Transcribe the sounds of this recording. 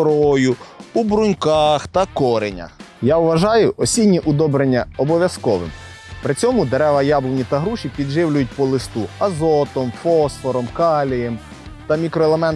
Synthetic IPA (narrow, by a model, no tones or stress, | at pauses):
ɾɔjʊubɾʊnʲkɑxt̪ɐkɔɾenʲɐ̰ | jaʊʋɐʒɑjʊʔɔsʲinʲːiʔʊd̪ɔbɾenʲːɐɔbɔʋʲjɐskɔʋɪ̰m | pɾɪt͡sʲɔmʊd̪eɾɛʋɐjablˠɔnʲit̪ɐɦɾuʃʲipʲid̪ʒɪwlʲʊjʊt̚ʲpɔlˠɪst̪uɐzɔt̪ɔmfɔsfɔɾɔmkɑlʲijem | t̪ɐmʲikɾɔelˠemɛn